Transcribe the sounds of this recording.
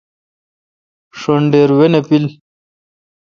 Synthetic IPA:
ʂoɳɖeːɾwenepil

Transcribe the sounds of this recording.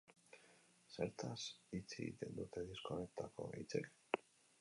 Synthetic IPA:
seɾt̪asit͡seɣḭt̪e̞nd̪ut̪e̞ðiskonet̪ako̞̰it͡sek

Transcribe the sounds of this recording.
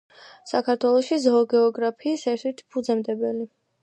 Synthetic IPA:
sakʰaɾt̪ʰwɛlˠɔʃizɔːɡɛɔɡɾapʰiːsɛɾt̪ʰit̪ʰpʰud̪zɛmd̪ɛbɛli

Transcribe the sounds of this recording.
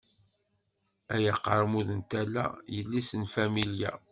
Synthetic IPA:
æjəqːəɾˤmuðənt̪ælːæ̰jəlːisənfæmiljæ̰

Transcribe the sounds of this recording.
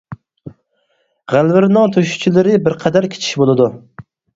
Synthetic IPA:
ʁalˠvɪɾnɒt̪ʰoʃʊ̥t͡ʃʰɪlɪɾɪbɪɾqʰɑd̪aɾkʲʰe̥t͡ʃʰɪ̥ʃbolˠad̪ʊ

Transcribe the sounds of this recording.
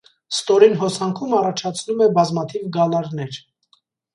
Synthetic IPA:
st̪ɔɾinɦɔsɑŋkʰumɑrɑt͡ʃʰɑt͡sʰnumɛbɑzmɑt̪ʰivɡɑlɑɾnɛɾ

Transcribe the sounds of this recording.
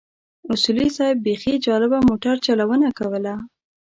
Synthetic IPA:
ʊsulisɑjb̚bexid͡ʒɑlɪbamoʈaɾt͡ʃalawənakawəla

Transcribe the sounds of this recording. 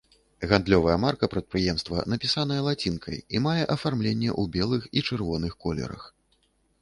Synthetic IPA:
ɣand̪lʲɔvɐjɐmarkɐpɾɐt̪̚pɾɨjɛmst̪vɐ̰nɐpʲisanɐjɛlˠat͡sʲinkʰɐ̰jimajɛʔɐfarmlʲenʲːɛ̰ʔubʲɛlˠɨxit͡ʂɨrvɔnɨxkɔlʲɛ̰ɾɐ̰x

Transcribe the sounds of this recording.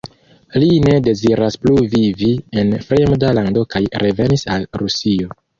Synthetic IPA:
line̞de̞ziɾaspluvivie̞nfɾe̞mdalando̞kajɾʔe̞ve̞nisalɾusio̞

